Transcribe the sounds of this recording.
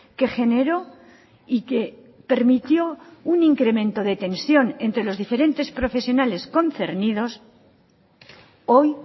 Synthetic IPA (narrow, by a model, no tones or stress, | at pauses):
ke̞xe̞ne̞ɾo̞ | ike̞ | pe̞ɾmit̪jo̞uniŋkɾe̞mẽ̞nt̪oðe̞t̪e̞nsjo̞nent̪ɾe̞lo̞zðife̞ɾe̞nt̪e̞spɾo̞fe̞sjo̞nale̞sko̞nθe̞̰ɾnið̞o̞s | o̞j